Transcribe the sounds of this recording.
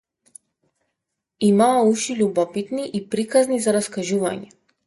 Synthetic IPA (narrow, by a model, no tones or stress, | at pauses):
imaauʃiʎʲubɔpit̪niʔipɾikaznizaɾaskaʒuva̰ɲɛ